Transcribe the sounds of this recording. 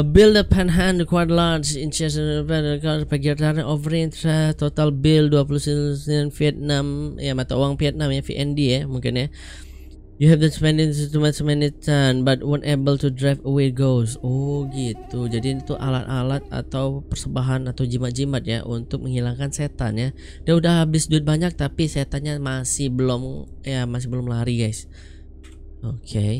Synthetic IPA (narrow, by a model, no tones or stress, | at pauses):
əbɪldəpʰɛ̃nɦandkwadlansint͡ʃɛsənpɛnəkapəɡraɾaʔovəɾnt̪ɾɛt̪ot̪albɪlduap̬ulussianfiɛt̪̚namjamat̪aowaŋpiɛt̪̚namjafḭʔɛndijamuŋkɪnɲa | juɦɛvdənspɛ̃ndɪŋt̪umɛsmɛnit̪anbat̪̚wɔnʔɛbəlt̪udɾafəweɡowsɔɡit̪ud͡ʒadit̪uʔa̰lat̪alat̪̚a̰t̪awpərsəbaɦanat̪awd͡ʒimad͡ʒimat̪̚ja̰ʔunt̪ʊk̚məŋɦilaŋkanset̪a̰nja | diaudahabɪsdut̪̚baɲak̚t̪apiset̪anɲamasɪhbəlʊmjamas̬ɪhbəlʊmlaɾiɡajs | okʰe